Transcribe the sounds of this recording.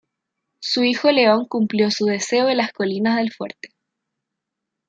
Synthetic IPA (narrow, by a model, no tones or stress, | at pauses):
suixo̞le̞o̞ŋkumpljo̞suðe̞seoelasko̞linazðe̞lfwe̞̰ɾt̪e̥